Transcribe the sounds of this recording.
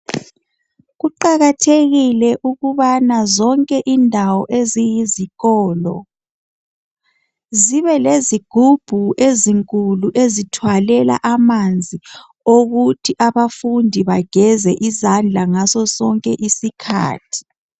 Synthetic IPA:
ɣuǃaɣatʰeɣilɛʔuɣuβanazɔŋkʼɛʔindʱawɔʔezijiziɣɔːlɔ̰ | ziβɛleziɡ̥ʱub̥ʱuʔeziŋkʼuluʔezitʰwalɛla̰ʔamand͡zʱi | oɣutʰiʔaβafundʱiβaɡ̥ʱɛzɛʔizand͡ɮʱaŋazɔsɔŋkʼɛʔisikʰa̰ːtʰi̥

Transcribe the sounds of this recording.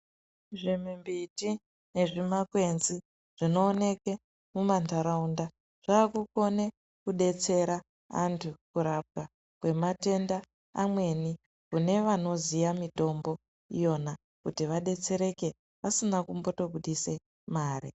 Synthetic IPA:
ʐimimbiti | ne̞ʐimakwe̞nzi | ʐ̥ino̞ːne̞ke | mumantaɾaunda | ʐ̥aːkuko̞ne | kuɗe̞t͡se̞ɾa | a̰ntʰukuɾap̚ɡa | kwe̞mate̞ndaː | mwe̞ni | kune̞ʋano̞zijamito̞mbo̞ | ijo̞na | kutiʋaɗe̞t͡se̞ɾe̞ke̞ | ʋasinakumbo̞to̞ɡuɗise̞ | maːrḭ

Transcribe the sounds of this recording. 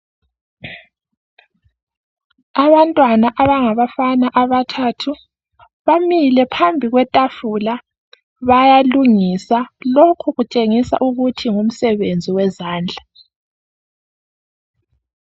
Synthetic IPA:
aβantʼwanaʔaβaŋaβafanaʔaβatʰaːtʰu | βamilɛpʰambʱiɣwɛtʼafula | βajaluŋisalokʰuɣut͡ʃʼeŋisa̰ʔuɣutʰiŋum̩sɛβend͡zʱiwɛzaːnd͡ɮʱa

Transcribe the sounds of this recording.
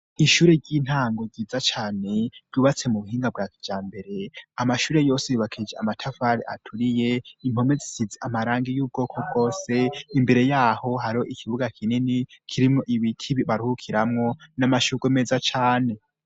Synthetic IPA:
iʃuːɾe̞ɟiːn̥haːŋɡo̞ɟɟiːd͡zat͡ʃaːne̞ɾɟuβat͡se̞muβuɦiːŋɡab̚ɡaːkid͡ʒaːmbe̞ɾe̞amaʃuːɾe̞jo̞ːsejuβakʰid͡ʒeamatʰafaɾiʔatʰuɾije̞im̥ho̞me̞zisizeʔamaɾaːŋɡijuːb̚ɡo̞ːkʰo̞b̚ɡo̞ːse̞imbe̞ɾe̞jaːho̞haɾioʔikʰiβuɡakʰininikʰiɾimŋo̞ʔiβitʰiβiβaɾihukʰiɾamŋo̞namaʃuɡwemeːzat͡ʃaːne̞

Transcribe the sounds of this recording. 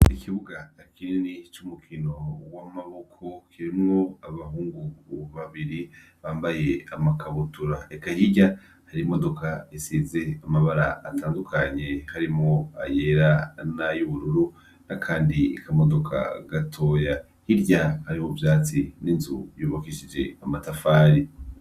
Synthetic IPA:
ikʰiβuɡaakininit͡ʃumukʰino̞wamaβo̞kʰo̞kʰiɾimŋo̞aβahuːŋɡukuβaβiɾiβaːmbaje̞amakaβutuɾaekahiɟa | haɾimo̞do̞kaisizeamaβaɾaːtʰaːndukʰaɲe̞haɾimŋoajeɾanajuβuɾuɾu | nakʰaːndiikamo̞do̞kʰa̰ɡatʰo̞ja | hiɾɟahaɾihovjaːt͡sininzṵjuβakiʃid͡ʒe̞̰amatafaːɾi

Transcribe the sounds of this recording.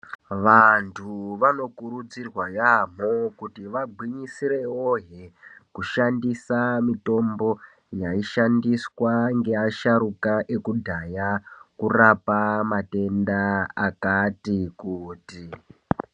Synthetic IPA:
ʋantʰuʋano̞kuɾud͡zirwajam̤okutiʋaɡʱwiɲisiɾe̞oɦekuʃandisamito̞mbo̞ | jaiʃandiswaŋɡe̞aʃaɾukaʔe̞kudʱajakurapamate̞ndaakatikuːti

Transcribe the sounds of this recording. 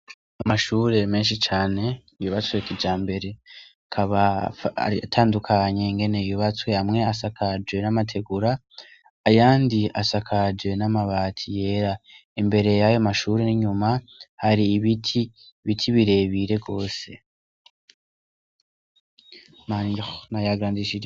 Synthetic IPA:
amaʃuːɾe̞me̞ːnʃit͡ʃaːne̞ijuβat͡swekid͡ʒaːmbe̞ɾe̞ | kʰaβa̰ | atʰaːndukʰaɲe̞ŋɡe̞ne̞juβat͡sweamŋe̞asakʰad͡ʒwe̞namatʰe̞ɡuɾaː | jaːndiasakʰad͡ʒwe̞namaβaːtʰije̞ːɾa | embe̞ɾe̞jajomaʃuːɾiniɲuma | haɾiːβitʰi | βitʰiβiɾe̞βiɾe̞ɡo̞ːse̞ | mannajaɡɾaːndiʃi

